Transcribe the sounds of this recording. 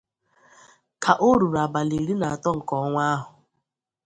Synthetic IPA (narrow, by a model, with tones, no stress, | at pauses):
kʰa˨ʔo˦ɾu˨ɾa˨ba˨li˨ɾi˦na˨a˨tɔ˦ŋ̩˨kɔ˦ŋʷa˦ɦʊ˨